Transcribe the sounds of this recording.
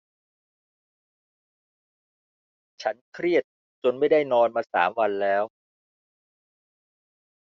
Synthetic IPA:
t͡ɕʰa˦˥nkʰɾi˥˩ət̪̚ | t͡ɕo˧nma˥˩jda˥˩jnɔː˧nmaː˧sa̰ː˩˦mwa˧nlɛː˦˥w

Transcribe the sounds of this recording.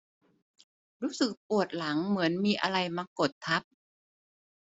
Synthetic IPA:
ɾuː˦˥sɯ˨˩k̚pu˨˩ət̪̚la˩˦ŋmɯ˩˦ənmiː˧ʔa̰˧ɾa˧jmaː˧ko˨˩t̪ʰːa˦˥p̚

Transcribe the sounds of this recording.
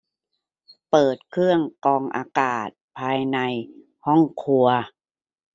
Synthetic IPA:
pɤː˨˩t̪̚kʰɯ˥˩əŋkɔː˧ŋʔa̰ː˧kaː˨˩t̪̚pʰaː˧jna˧j | hɔ˥˩ŋkʰu˧ɐ

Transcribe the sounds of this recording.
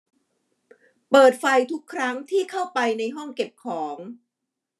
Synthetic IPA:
pɤː˨˩t̪̚fa˧jt̪ʰu˦˥kʰːɾa˦˥ŋt̪ʰiː˥˩kʰa˥˩wpa˧jna˧jɦɔ˥˩ŋke˨˩p̚kʰɔː˩˦ŋ

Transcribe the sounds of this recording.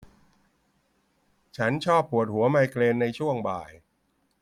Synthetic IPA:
t͡ɕʰa˦˥nt͡ɕʰɔː˥˩pːu˨˩ət̪̚hu˩˦ɐma˧jkleː˧nːa˧jt͡ɕʰu˥˩əŋba̰ː˨˩j

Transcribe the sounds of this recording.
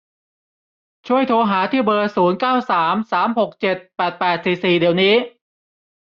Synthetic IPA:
t͡ɕʰu˥˩əjt̪ʰoː˧ɦaː˩˦t̪ʰiː˥˩bɤː˧suː˩˦nkaː˥˩wsaː˩˦msaː˩˦mho˨˩k̚t͡ɕe˨˩t̪̚pɛː˨˩t̪̚pɛː˨˩t̪̚siː˨˩siː˨˩di˨˩˦əwniː˦˥

